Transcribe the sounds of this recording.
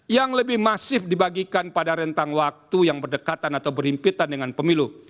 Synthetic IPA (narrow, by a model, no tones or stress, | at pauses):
jaŋləbɪhmasɪfdibaɡikanpadaɾənt̪aŋwak̚t̪ujaŋbərdəkat̪anat̪awbərimpit̪andəŋanpəmilu